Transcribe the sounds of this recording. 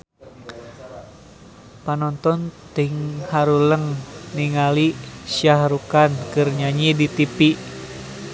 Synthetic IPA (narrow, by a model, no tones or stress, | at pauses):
panɔnt̪ɔnt̪iŋhaɾuləŋniŋalisiahɾukankɨrɲaɲidit̪ipi